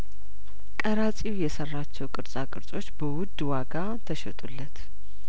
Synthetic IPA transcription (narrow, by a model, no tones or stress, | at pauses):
kʼəɾat͡sʼiwjɛsərːat͡ʃːɛwkʼɨɾt͡sʼakʼɨɾt͡sʼo̞t͡ʃːbəwʊd̪ːwaɡa | t̪ʰəʃɛt̪ʼulːət̪